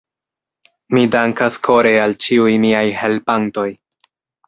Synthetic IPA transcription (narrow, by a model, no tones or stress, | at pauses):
midaŋkaskʰo̞ɾealt͡ʃiujmiajhe̞lpanto̞j